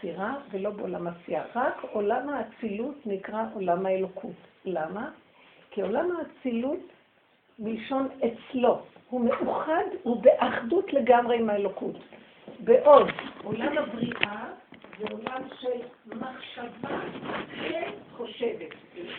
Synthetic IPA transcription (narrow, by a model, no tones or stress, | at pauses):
siʁavelo̞beolamasia̰ʁako̞lamhaːt͡silutnikʁaʔo̞lamhaelo̞kʰutlama | kiolamhaːt͡silut | bilʃo̞net͡slo̞hume̞ʔuχadubeʔaχdutle̞ɡamʁe̞imaelo̞kut | beʔo̞dʔolamabʁiʔazeolamʃelmaχʃavaʃeχoʃevet